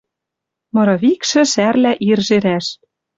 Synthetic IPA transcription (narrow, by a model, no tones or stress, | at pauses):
mɤ̆ɾɤ̆βikʃɘ̆ʃærlæʔirʒeɾæʃ